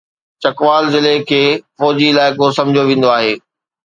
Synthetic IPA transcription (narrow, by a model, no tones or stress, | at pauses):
t͡ɕɐkʋaːlzɪlekʰeːfɔːd͡ʑiɪlaːɪkosɐ̃md͡ʑʱjoʋẽːnd̪oaːɦeː